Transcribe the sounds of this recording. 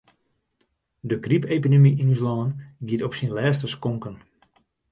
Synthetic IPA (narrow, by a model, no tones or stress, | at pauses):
dəkripeːpidemiʔinyslɔːnɡiətɔpsinlɛːs̬təskɔŋkən